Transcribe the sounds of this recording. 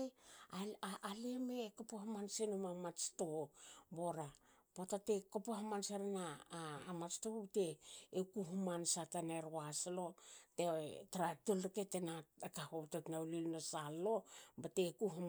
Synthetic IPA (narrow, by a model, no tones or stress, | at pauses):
aaaliemekopohamansenumamat͡ʃtoboɾa | potatekopoɦamanseɾanaːmat͡ʃtobteːkuɦumansataneɾwaslotetaɾatulɾiketenaekahototnawlilnosalːobatekuɦum